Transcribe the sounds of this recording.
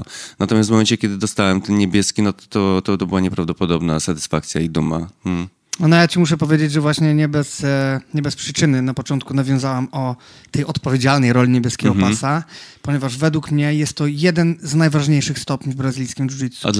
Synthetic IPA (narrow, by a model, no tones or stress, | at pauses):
nat̪ɔmʲjasmɔmɛnt͡ɕɛkʲjɛd̪ɘd̪ɔst̪awɛmt̪ɛnɲebʲjɛskʲinɔt̪ɔt̪ɔt̪ɔt̪ɔbɘwaɲɛpɾavd̪ɔpɔd̪ɔbnasat̪ɘ̥sfak̚t̪sʲja̰id̪uma̰m̩ | ɔnɔjat͡ɕimuʂ̬ɛpɔvʲjed͡ʑed͡ʑʐɛvwaɕɲɛɲɛbɛsɲɛbɛspʂɘt͡ʂɘnɘnapɔt͡ʂɔnt̪̚kunavʲjɔ̃zawamɔ | t̪ɛjʔɔt̪pɔvʲjed͡ʑalnɛjɾɔlʲiɲebʲjɛskʲɛɡɔppasapɔɲɛvaʐvɛd̪wukmɲɛjɛst̪ːɔjɛd̪ɛnznajvaʐɲejʂɘxst̪ɔpʲɲivbɾazɨlʲijskʲimduʐit̪su